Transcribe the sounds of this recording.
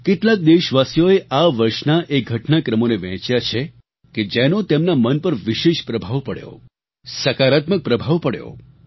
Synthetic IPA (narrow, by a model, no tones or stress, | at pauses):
keʈlak̚d̪eʃʋasjoeʔaʋəɾʃnaʔeɡʱəʈnakɾəmoneʋɛ̃t͡ʃjat͡ʃʰe | ked͡ʒɛnõt̪emnamənpəɾʋiʃeʃpɾəbʱaʋpəɽjo̰ | səkaɾat̪mək̚pɾəbʱaʋpəɽjo̰